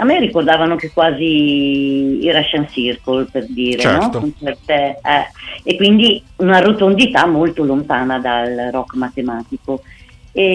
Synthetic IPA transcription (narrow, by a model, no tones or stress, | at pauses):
amːeɾikord̪aːvanokekwaːzi | iɾaʃansirkolperd̪iːɾenɔkont͡ʃɛrt̪eɛekwind̪iunarot̪ond̪it̪amolt̪olont̪aːnad̪alrɔkːmat̪emaːt̪ikoe